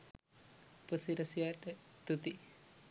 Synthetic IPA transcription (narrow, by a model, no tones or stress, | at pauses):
pəsiɾɐsijaːʈət̪ut̪i